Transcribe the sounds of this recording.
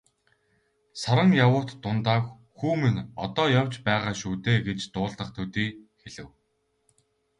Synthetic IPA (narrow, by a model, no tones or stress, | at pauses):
saɾə̆ŋjawʊːt̪ːʊnt̪aːk | xuːmenɔ̰t̪ɔːjaw̥t͡ɕpæːʁaːʃuːt̪eːɡet͡ɕt̪ʊːɮt̪ə̆χt̪ʰut̪iːxeɮɘ̆w